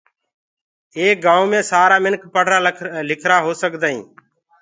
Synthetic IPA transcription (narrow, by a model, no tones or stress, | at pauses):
eːk̚ɡãːũːmẽːsaːɾaːmɪnkpəɽ̤ʱɾaːlɪkʰɾaːɦoːsəkd̪aːḭ̃ː